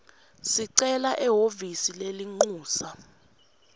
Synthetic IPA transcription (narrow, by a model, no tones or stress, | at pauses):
siǀɛlaʔɛɦovisileliŋ͡ǃuːsa